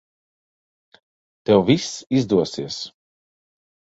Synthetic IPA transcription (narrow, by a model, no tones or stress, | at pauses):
t̪ɛwvisizd̪uɔsiɛs